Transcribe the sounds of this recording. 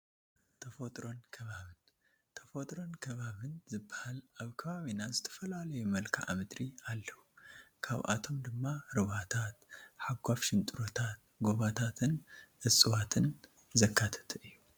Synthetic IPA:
t̪ʰɐfot̪ʼɾo̞nkʰɐβaβɨn | t̪ʰɐfot̪ʼɾo̞nkʰɐβaβɨnzɨbːḁhalʔaβkʰɐβaβinazɨt̪ʰɐ̥fɐlalɐjumɐlkʰa̰ʔa̰mɨd̪ɾialːɐwukʰa̰βʔa̰t̪ʰo̞md̪ɨmːaɾɨβat̪ʰat̪ħaɡʷafʃɪnt̪ʼɨɾo̞t̪ʰat̪̚ | ɡoβat̪ʰat̪ʰɨnʔɨsʼɨwat̪ʰɨn | zɐkʰːat̪ʰɐ̥t̪ʰɨʔɨjːu

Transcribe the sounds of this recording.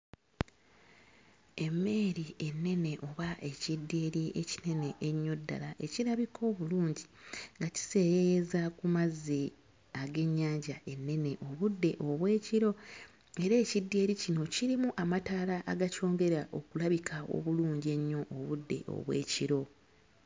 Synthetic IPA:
e̞mːe̞ːɾie̞nːe̞ne̞ʔo̞βaʔe̞cidːeːɾiʔecine̞ne̞ʔːɲːo̞dːa̰laʔe̞ciɾaβikʰo̞ːβuluːɲɟiŋɡaci̥se̞ːjejezakumazːi | aɡe̞ɲːaːɲɟaʔe̞nːe̞ne̞ʔo̞βudːe̞ʔoβwe̞ːciɾo̞ | e̞ɾe̞ːcidːe̞ːɾicino̞ciɾimuʔamataːlaʔaɡaco̞ːŋɡe̞ɾaʔo̞̰kulaβikʰao̞̰βuluːɲɟe̞ɲːo̞ʔːβudːe̞̰ʔo̰βwe̞̰ːciɾo̞

